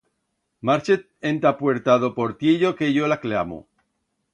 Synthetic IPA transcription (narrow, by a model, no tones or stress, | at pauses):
maɾt͡ʃet̪̚ent̪apweɾt̪aðopoɾt̪jeʎokeʝolaklamo̰